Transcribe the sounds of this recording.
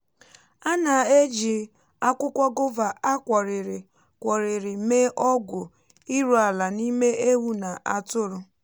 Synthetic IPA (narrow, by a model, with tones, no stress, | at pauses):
a˦na˨e˦d͡ʒi˨ | a˦kʷʊ˦kʷa˦ɡʊ˦va˨a˦kʷɔ˨ɾɪ˨ɾɪ˨ | kʷɔ˨ɾɪ˨ɾɪ˨me˦ʔɔ˦ɡʊ˨ | i˦ɾu˦a˨la˨ni˦me˦ʔe˦wu˦na˨ʔa˦tʊ˦ɾʊ˦